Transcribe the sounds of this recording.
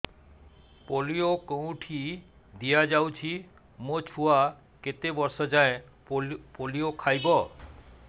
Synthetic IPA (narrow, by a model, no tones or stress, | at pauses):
poliokow̃ʈʰi | d̪ijad͡ʒawt͡ʃʰi | mot͡ʃʰua | ket̪ebɔɾsɔd͡ʒaẽ | poliokʰajbɔ